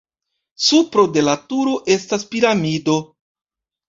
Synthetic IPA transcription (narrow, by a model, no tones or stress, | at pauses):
supɾo̞de̞latuɾo̞ʔe̞staspiɾamido̞